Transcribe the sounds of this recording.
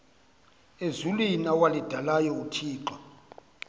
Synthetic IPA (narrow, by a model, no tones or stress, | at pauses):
ezulinawalid̥ʱalajɔutʰiːǃwa